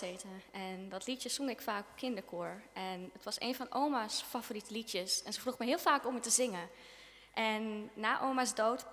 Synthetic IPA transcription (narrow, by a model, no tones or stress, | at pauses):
eːtəɛndɔtlitjəsɔŋɪkfaːkkʰːɪndəkʰoəɹɛnətʋɑsḛːnfɔ̃nʔowmasfavoritəlitjəsɛnsəfruxmɛɦɪəlˠfaːkɔmətəzɪŋə | ʔɛnːaːʔoːmasdoːt